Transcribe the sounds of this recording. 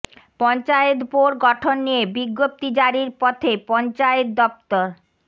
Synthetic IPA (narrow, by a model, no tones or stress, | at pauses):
pɔnt͡ɕaet̪poɾɡɔʈʰonːijebiɡːop̚t̪id͡ʑaɾiɾpɔt̪ʰepɔnt͡ɕajet̪̚d̪ɔp̚t̪oɾ